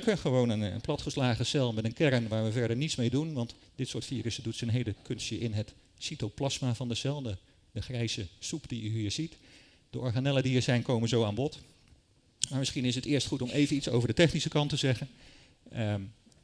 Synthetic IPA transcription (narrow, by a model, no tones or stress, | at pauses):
kənχəʋownənə̰nplɑtχəslaːχəsɛlˠmɛtənkɛɹənʋaːɹʋəvɛɹdəɹnitsmejdunʋɑnt | d̥ɪtsʊːɹtfiːrəsədutsənɦejdəkɵnstjəʔɪnɦət | sitowplɑsmavɑndəsɛlˠdə | dəχrɛjsəsupd̥iyɦiːɹz̥it | d̥əʔɔɹχanɛlədiiːɹzɛjnkowmənzowaːnbɔt | maːɹmɪsχinɪs̬ətɪːɹstχutɔmejvənitso̰wvəɹdətɛχnisəkɑntəzɛχən | ə